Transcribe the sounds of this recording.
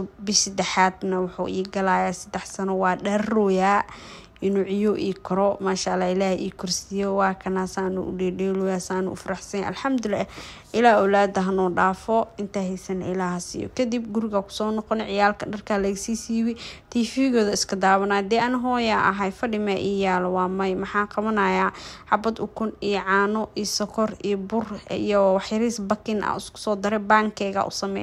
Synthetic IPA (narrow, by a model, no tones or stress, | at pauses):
bɪʃsɐd̪ɛħaːd̪nɐwʊħṵːʔiːɡɐlaːjaːsɐd̪ɛħsɐnɔwɑːɖɐrɔjaː | ɪnʊʕɪjɔʔiːkʰɔɾɔmaːʃalaːɪlaːhʔḭːkʰʊrsɪjɔwɑːkʰɐnaːsaːnʊ̰ʔʊɖɛɖɛːlɔːjaːsaːnʊ̰ʊ̰fɐɾɑħsɛnɐ̰lħɐmd̪ʊlʔɪlaːʊlaːd̪ɐɦɐnɔːɖaːfɔɪnt̪ʰaɦɛjsɐnɪlaːɦɐsɪ̰jɔ̰kʰɐd̪ib̚ɡʊɾɪɣɐkʰʊ̥sɔːnɔqɔnɛʕɪjaːlkʰɐɖɐrkʰalɐɣɐsiːsiːwɛt̪ʰiːfiɪɣɔːðɐɪskʰɐd̪aːβɐnaːd̪ɛːʔɐnɐɦɔːjaʔɐ̰ɦɐjfɐɖɪmaʔɪjaːlwɑːmɐjmɐħɑːqɑβɐnɐjaːħɑbɐd̪ʊkʰʊnijɔʕɑːnɔʔiːsɔkʰɔrijɔbʊrijɔwɑħjɐɾiːsbɐkʰɪnɐ̰ʊskʰʊ̥sɔːd̪ɪɾɛbaːŋkʰɛːɣɐ̰ʔʊ̰sɐmɛ̰j